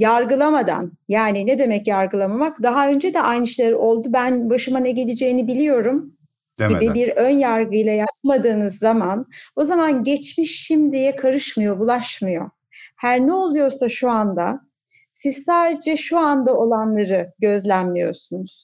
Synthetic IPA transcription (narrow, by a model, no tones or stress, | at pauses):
jaɾɡɯlˠamad̪a̰n | jaːnined̪e̞mɛcjaɾɡɯlˠamamakd̪aɦaø̞nd͡ʒɛd̪ɛʔajnɯʃlˠaɾɯʔo̞lˠd̪ubænbaʃɯmanɛɟelʲed͡ʒejinibilʲijo̞ɾum | ɟʲibibiɾønjaɾɡɯjlˠajap̚mad̪ɯːnɯzːamano̞zamanɟɛt͡ʃmiʃːimd̪ijɛkʰaɾɯʃmɯjo̞bulˠaʃmɯjo̞ | hæɾnɛo̞lˠujo̞ɾsaʃuand̪a̰ | sizsaːd̪ed͡ʒɛʃuand̪ao̞lˠanlˠaɾɯɟø̞zlʲænmijo̞̰ɾsunuz̥